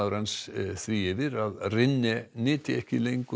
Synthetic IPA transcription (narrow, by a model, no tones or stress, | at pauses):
aðɾansθviːɪvɪɾaðrɪnːɪnɪːt̪ɪɛhcɪlejŋk